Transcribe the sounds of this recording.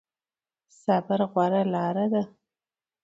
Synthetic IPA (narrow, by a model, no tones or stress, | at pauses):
sabaɾɣwaɾalɑɾad̪a